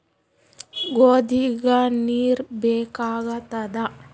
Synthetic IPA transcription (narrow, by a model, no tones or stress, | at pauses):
ɡoːd̪iɡaniːɾbeːkaːɡat̪ad̪a